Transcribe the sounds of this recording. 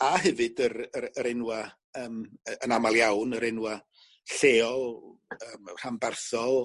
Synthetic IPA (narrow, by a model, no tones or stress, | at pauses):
aɦɛvɨdəɾəəɾɪnwa | əːmənamalˠjawnəɾɪnwa | ɬeːɔlˠəːmr̥ambarθɔ